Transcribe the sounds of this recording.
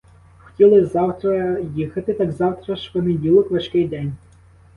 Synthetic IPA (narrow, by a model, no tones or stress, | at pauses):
xtʲilˠɪzɑwt̪ɾɐjixɐt̪ɪt̪ɑɡzɑwt̪ɾɐʃpɔnedʲilˠɔkʋɐʃkɪjd̪ɛnʲ